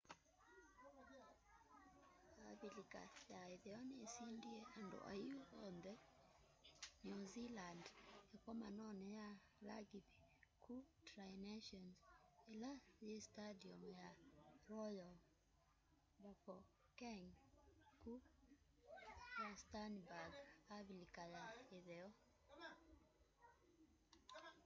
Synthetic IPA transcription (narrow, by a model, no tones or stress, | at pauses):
abilika̰jaiðɛɔnesindieʔandɔ̰ʔa̰juɔnd̪ɛ | njuzilandjakɔmanɔnɛja | la̰ɡibi̥kʰutɾajneʃɔnsɛlajestadiɔmjaɾɔjɔ | bafɔ | kɛŋku | jastanbaɡaβlikajaeðɛɔ